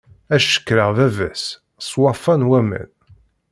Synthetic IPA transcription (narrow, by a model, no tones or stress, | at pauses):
æʃə̥kːɾəʁðævæs | sˤwɑfɑnwæmæ̰n